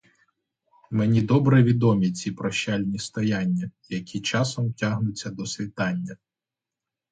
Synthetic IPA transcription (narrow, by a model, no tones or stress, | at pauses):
menʲid̪ɔbɾɛʋʲid̪ɔmʲit͡sʲipɾɔʃt͡ʃalʲnʲist̪ɔjanʲːɐjɐkʲʰit͡ʃɑsɔmtʲaɦnʊt͡sʲːɐd̪ɔsʋʲit̪ɑnʲːɐ